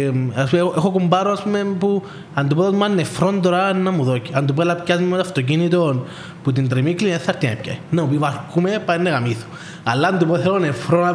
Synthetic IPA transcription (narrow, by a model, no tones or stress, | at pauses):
aspueoʔexokumbaɾoaspumepu | and̪upoðot̪umanːefɾond̪oɾanːamuðociand̪upoelːɐpcazmimoaft̪o̞c̬init̪on | put̪int̪ɾimiklieθːɐɾt̪iɐipca̰inːamupivaɾkumepainːeɣamiθu̥ | alːaːnd̪upoθelonefɾona